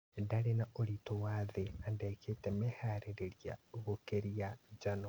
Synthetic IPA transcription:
daɾenaoɾitowaðeandɛkʰetɛmɛhaɾeɾeɾjaɣokeɾiad͡ʒanɔ

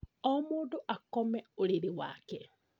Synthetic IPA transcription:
ɔmoːndoʔakɔmɛoɾeɾewa̰kɛ

